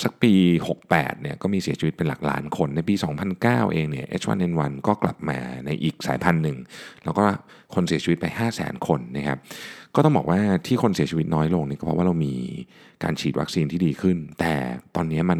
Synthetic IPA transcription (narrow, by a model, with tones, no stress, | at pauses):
sa˨˩k̚piː˧ho˨˩k̚pɛ̰ː˨˩t̪̚ni˥˩ɐkɔː˥˩miː˧si˨˩˦t͡ɕʰi˧˦˥t̪̚pe˧nla̰˨˩k̚la̰ː˦˥nkʰo˧nːa˧jpiː˧sɔː˩˦ŋpʰa˧nkaː˥˩wʔeː˧ŋni˥˩ɐʔḛ˦˥t͡ɕʰwa̰˧nʔe˧nwa˧nkɔː˥˩kla̰˨˩p̚ma̰ː˧na˧jʔiː˨˩k̚sa̰ː˩˦jpʰa˧nːɯ˨˩ŋlɛː˦˥wkɔː˥˩ | kʰo˧nsi˨˩˦t͡ɕi˧˦t̪̚pa˧jhaː˥˩sɛ̰ː˩˦nkʰo˧nːa˦˥kʰa˦˥p̚kɔː˥˩t̪ɔ˥˩ŋbɔ̰ː˨˩k̚waː˥˩t̪ʰiː˥˩kʰo˧nsi˨˩˦t͡ɕʰi˧wt̪̚nɔː˦˥jlo˧ŋni˥˩kɔː˥pʰɔ˦˥wa˥˩ɾa˧wmiː˧ | ka̰ː˧nt͡ɕʰiː˨˩t̪̚wa˦k̚siː˧nt̪ʰiː˥˩diː˧kʰɯ˥˩nt̪ɛ̰ː˨˩t̪ɔː˧nːi˦˥ɐma˧n